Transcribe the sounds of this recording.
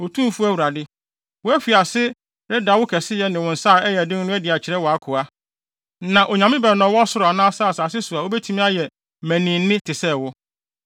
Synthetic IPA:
o˨tʰũ˦m˦fu˦æ˦wu˨ɾa˨dɪ˦ | wʊ˦ɛ˦fi˨a˨sɪ˦ | ɾɪ˦da˨˦wʊ˦kʰɛ˨sɪ˦jɛ˦nɪ̃˨wʊ̃˨n̩˨saː˦˨ɛ˦jɛ˨dɪ̃˦ŋ˦nʊ̃˦ɛ˦dɪ˨a˨t͡ɕʰɪ˨ɾɛ˦wɔ˨a˦kʰʊ˨a˦ | nã˨ʔo˨ɲã˨mɪ̃˦bɛ˨nɔ̃˨˦wɔ˦a˦sʊ˦ɾʊ˨a˨nã˦saː˦˨saː˨sɪ˦sʊ˨a˨wo˦bɛ˦tʰi˦mĩ˦a˦jɛ˨ | mæ̃˨nĩ˨nː˦ɪ̃˦tʰɪ˨sɛ˦˨wʊ˦

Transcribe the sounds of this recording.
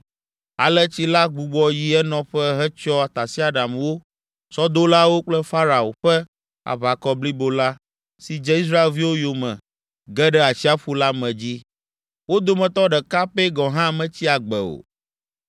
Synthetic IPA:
a̰˨lɛ˦t͡ɕi˦la˦ɡ͡bu˨ɡ͡bɔ˦ji˦ɛ˦nɔ̃˨ɸɛ˦ɦɛ˦t͡ʃɔ˦a˨t̪a˨si˦a˨ɖa˨mwo˦ | sɔ˦d̪o˦la˦wo˦k͡plɛ˦fa˦ɾa˨o̰˨ɸɛ˦ | a̰˨βa˨kɔ˦bli˦bo˦la˦ | si˨d͡ʒɛ˦i˦s̬ɾa˦e˨lvi˦wo˦jo˨mɛ̰̃˨ | ɡɛ˦ɖɛ˦a˨t͡ɕi˦a˦ɸu˦la˦mɛ̃˨d͡ʑi˦ | wo˦d̪o˦mɛ̃˨t̪ɔ˦ɖɛ˨ka˦pɛ˦ɡɔ̃˨ɦã˦˨mɛ̃˨t͡ɕi˦a˨ɡ͡bɛ̰˨o̰˨

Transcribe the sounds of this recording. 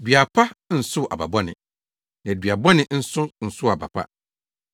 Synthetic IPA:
dɥa˨pʰa˦n̩˨sʊ˦ʔa̰˨ba̰˨bɔ˦nɪ̰̃˨ | nã˨dɥa˨bɔ˦nɪ̃˨n̩˦sʊ˦n̩˨sʊ˦a˨ba̰˨pʰa̰˦

